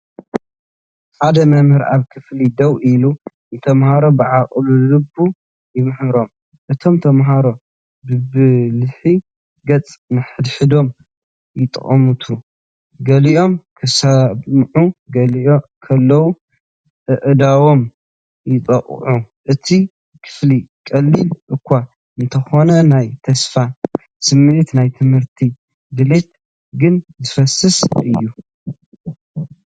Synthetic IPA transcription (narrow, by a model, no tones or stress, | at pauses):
ħad̪ɐmɐmhɨɾʔa̰βkʰɨflid̪ɐwʔilu | nt̪ʰɐmhaɾo̞bɨʕakʼlulɨbu | jɪmɨħɨɾo̞m | ʔɨt̪ʰo̞mt̪ʰɐmɦaɾo̞ | bɨbɨlɨħi | ɡɐt͡sʼmɨħɨd̪ħɨd̪o̞m | jɪt̪ʼɨ̰χʼɐmut̪ʰu | ɡɐliʔo̞mkʰɨsɐmʕuɡɐlkʰɐlːɐwu | ʔɨʔd̪awo̞m | jɪt̪ʼɐχʼʕuʔɨt̪ʰi | kʰɨ̥flikʼɐlːilʔɨkʰʷːa | ɨnt̪ʰɐxo̞nɐnajt̪ʰɐsfa | sɨmet̪najt̪ʰɨmhɨɾt̪ʰi | d̪ɨle̞t̪ | ɡɨnzɨfɐsɨsʔɨjːu